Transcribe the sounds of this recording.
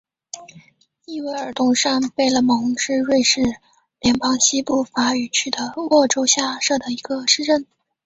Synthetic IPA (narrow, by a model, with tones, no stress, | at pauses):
i˥˩we˧˥ɪə˞˨˩t̪ʊ˥˩ŋʂa˥˧npe˥˩ɪlə˩mɤ˧˥ŋʂɻ̩˥˧ɻwe˥˧ɪʂɻ̩˥˩ | ljɛ˧˥npɑ˥ŋɕi˥pu˥˩fa˧˥y˨˩t͡ɕʰy˥˩d̪ə˦wɔ˥˩ʈ͡ʂo˥ʊɕja˥˧ʂɤ˥˩d̪ə˩i˧˥ɡə˧ʂɻ̩˥˧ʈ͡ʂə˥˩n